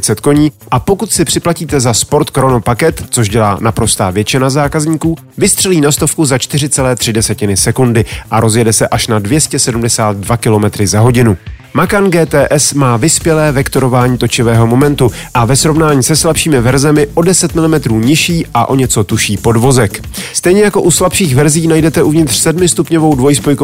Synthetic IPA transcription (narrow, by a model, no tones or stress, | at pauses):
t͡sɛt̪ko̞ɲiːʔapo̞kut̪sɪpr̥ɪplaciːt̪ɛzaspo̞ɾt̪kɾo̞no̞pakɛt̪t͡soʃɟɛla̰ːnapɾo̞st̪aːvjɛt͡ʃɪnazaːkazɲiːkuː | vɪst̪r̥ɛliːnast̪o̞fkuzat͡ʃt̪ɪrɪt͡sɛlɛːt̪r̝̥ɪdɛsɛcɪnɪsɛkundɪʔaɾo̞zjɛdɛsɛʔaʃnadvjɛscɛsɛdumdɛsaːt̪̚dvakɪlo̞mɛt̪ɾɪzaɦo̞ɟɪnu | makanɡɛːt̪ɛːʔɛsmaːvɪspjɛlɛːvɛkt̪o̞ɾo̞vaːɲiːt̪o̞t͡ʃɪvɛːɦo̞mo̞mɛnt̪u | ʔavɛsɾo̞vnaːɲiːsɛslapʃiːmɪvɛɾzɛmɪʔo̞dɛsɛt̪mɪlɪmɛt̪ɾuːɲɪʃiːʔaʔo̞ɲɛt͡so̞t̪uʃiːpo̞dvo̞zɛk | st̪ɛjɲɛjako̞ʔuslapʃiːxvɛɾziːnajdɛt̪ɛʔuvɲɪt̪r̥sɛdmɪst̪upɲo̞vo̞wdvo̞jspojko